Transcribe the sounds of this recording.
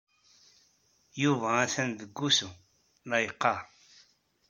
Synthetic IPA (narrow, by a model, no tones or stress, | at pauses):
juvææθænðəɡːusu | nɑjəqːɑ